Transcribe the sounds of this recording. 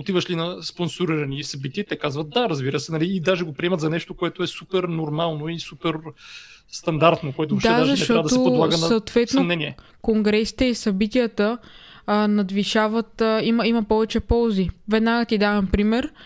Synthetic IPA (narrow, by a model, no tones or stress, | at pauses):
ot̪ivəʃlinɐsponsoɾiɾɐnisɐbit̪iət̪ɛkazvət̪̚d̪aɾɐzbiɾəsɛnɐliːd̪aʒɛɡopɾiɛmɐt̪zɐnɛʃt̪okoɛt̪oɛsupɛɾnoɾmalˠnoisupɛɾ | st̪ɐnd̪aɾt̪nokoɛt̪odʃaɛad̪aʒzɐɛʃɛt̪ɾɔavɐd̪t̪oɛlˠaɡəsnɐɐːt̪vɛt̪nomnɛniɛ | koŋɡɾɛsi̥t̪ɛisɐbit̪ijət̪ə | nɐd̪viʃavət̪iməimɐpɔvɛt͡ʃɛpɔlˠzivɛd̪naɡət̪id̪avɐmpɾimɛɾ